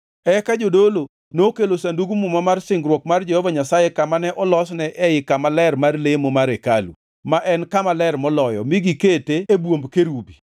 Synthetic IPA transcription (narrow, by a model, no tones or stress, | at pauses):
ɛkad͡ʒodolo | nokelosanduɡumumamarsɪŋɡɾwɔk̚mard͡ʒɛhɔvaɲasajekamanɛʔɔlɔsnɛʔɛjɪkamalɛrmarlemomaɾekalṵ | maʔɛnkamalɛrmɔlɔjɔ̰miɡiketeebwombkeɾubi